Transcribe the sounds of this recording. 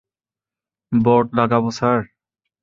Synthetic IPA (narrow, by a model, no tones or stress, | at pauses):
bɔʈ̚laɡabɔsaɹ